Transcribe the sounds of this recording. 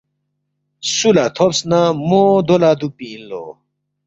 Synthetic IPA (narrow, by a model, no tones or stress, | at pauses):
sulat̪ʰopsnamoːd̪olad̪upiːnlo̰ː